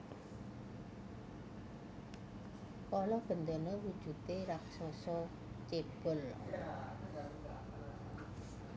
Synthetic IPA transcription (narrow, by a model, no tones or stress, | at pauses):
kɔlɔhb̥ə̤nt̪ənɔwud̥ʒ̥ṳt̪eɾak̚sɔsɔ | t͡ʃeb̥ʊ̤l